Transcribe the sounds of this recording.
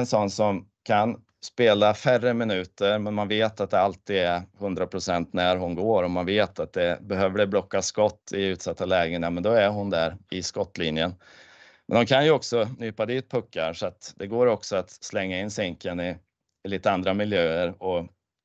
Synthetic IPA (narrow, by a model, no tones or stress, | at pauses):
nsɔnːsɔm | kʰan | speːlafærəmɪnʉ̟ːt̪əɾmɛnmanveːt̪at̪̚d̪ɛalt̪iːd̪ɛɾhɵnd̪ɾapʰɾʊsɛnt̪næɾɦʊnɡoːɾɔmanveːt̪at̪̚d̪ɛbɛɦøːvəɖɛblɔkːaskɔt̪ːɪʉ̟ːt̪sat̪ːalɛːɡɪŋnamɛnd̪ɔæɾɦʊnd̪æɾɪskɔt̪ːliːnjən | mɛ̰nhʊnkʰanjɵɔksɔnyːpad̪iːt̪̚pʰɵkːaɾʂɔat̪d̪̥ɛɡoːɾɔksɔat̪slɛŋːaɪnːsɛŋkənɪ | ɪliːt̪əand̪ɾamɪljøːəɾɔ